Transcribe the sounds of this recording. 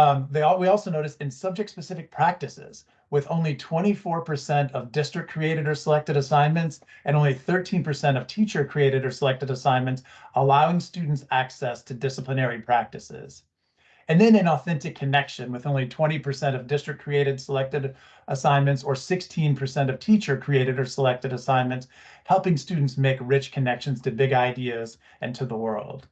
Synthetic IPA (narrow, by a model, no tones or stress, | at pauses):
ðeɪwiɔlˠsoʊnoʊɾɨsɨ̃nsʌb̚d͡ʒɨk̚tspɨsɪfɨk̚pʰɹ̥æk̚tɨsɪ̰z̥ | wɨðõʊ̃nlitʰw̥ɛ̃ɾ̃ifɔɹpʰə˞sɛ̃ntʰʌvdɪstɹ̥ɨk̚kʰɹ̥ieɪɾɨɾə˞səlɛk̚tɨɾəsãɪ̃nmɨ̃ntsʔɨ̃ñõʊ̃nliθɜ˞tʰĩnpʰə˞sɛ̃ɾ̃ʌv̥tʰit͡ʃə˞kʰɹ̥ieɪɾɨɾə˞səlɛk̚tɨɾəsãɪ̃nmɨ̃nts | əlaʊɪ̃ŋstʉdⁿn̩tsæksɛstʰɨdɪsəpʰlənɛɹipʰɹ̥æk̚tɨsɪ̰z̥ | ɨ̃nðɨ̃nɨ̃nɔθɛ̃ntɨkʰɨnɛkʃɨ̃nwɨðõʊ̃nlitʰw̥ɛ̃ɾ̃ipʰə˞sɛ̃ɾ̃ʌvdɪstɹ̥ɨkʰɹ̥ieɪɾɨd̥səlɛk̚tɨɾ | ʔəsãɪ̃nmɨ̃ntsə˞sɪkstʰĩnpʰə˞sɛ̃ɾ̃ʌv̥tʰit͡ʃə˞kʰɹ̥ieɪɾɨɾə˞səlɛk̚tɨɾəsãɪ̃nmɨ̃nts | hɛlˠpɪ̃ŋstʉdⁿn̩tsmeɪkɹɪt͡ʃkʰɨnɛkʃɨ̃n̩z̥tʰɨbɪɡaɪdiɨz | ɨ̃ntʰɨðəwɜ̰˞lˠd̥